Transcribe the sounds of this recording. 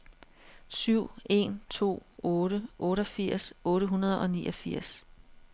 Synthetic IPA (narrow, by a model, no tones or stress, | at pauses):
syʊ̰e̝̰nt͡sʰo̝̰ːɔːɾəʔɔ̽ːɾəɒfiɐ̰sɔ̽ːɾəɦunɐð̞ˠɒ̽nḭːɒ̽fiɐ̰s